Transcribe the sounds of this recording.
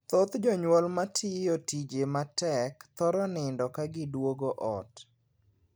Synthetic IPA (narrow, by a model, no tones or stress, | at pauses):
t̪ot̪d͡ʒɔɲwɔlmatʰɪjotid͡ʒematɛkt̪ɔɾɔnɪndɔkaɡɪdwoɡoʔɔt